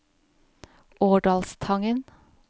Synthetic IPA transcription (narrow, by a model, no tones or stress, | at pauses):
oːɖɑlst̪ʰɑŋən